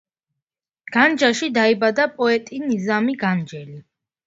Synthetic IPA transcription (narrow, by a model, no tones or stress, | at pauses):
ɡ̥and͡ʒaʃid̪aibad̪apʼɔɛt̪ʼinizamiɡand͡ʒɛli